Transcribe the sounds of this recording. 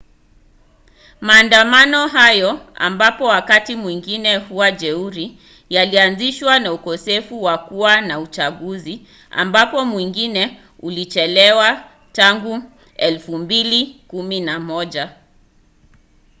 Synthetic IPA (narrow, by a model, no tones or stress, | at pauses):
maːndamanɔɦajɔa̰mbapɔwakatimwiŋɡinɛhuwad͡ʒɛuɾi | jalianziʃwanaukɔsɛfuwakuwanaut͡ʃaɠuzi | a̰mbapɔmwiŋɡinɛ | ulit͡ʃɛlɛwa | taŋɡu | ɛlfumbilikuminamɔʄa